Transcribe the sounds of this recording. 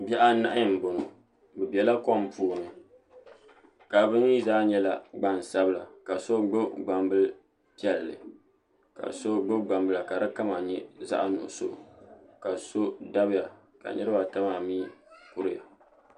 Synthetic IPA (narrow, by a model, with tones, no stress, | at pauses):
bɛ˦ʔa˦na˦ʔa˦jɨ˨m̩˨bo˨nɨ˨ | bɨ˨bɛ˨la˦kɔ˦m˦puː˦nɨ˨ | ka˨bɨ˦i˦zaː˦ɲɛ˦la˨ɡ͡ba˦n˨sa˦bɨ˦la˨ka˨so˦ɡ͡bo˦ɡ͡ba˨mbɨ˦l | pi˦ɛ˨lːɨ̰˨ | ka̰˨so˦ɡ͡bo˦ɡ͡ba˨mbɨ˦la˨ka˨ɾɨ˦ka˦ma˨ɲɛ˦za̰˦ʔa˦nʊ̰˨ʔʊ̰˨so̰˦˨ka˨so˦da˦bɪ˦ja˨ | ka̰˨nɨ˦ɾɨ˦ba˨ta˦ma˨miː˦kʊ˦ɾɨ˦ja̰˨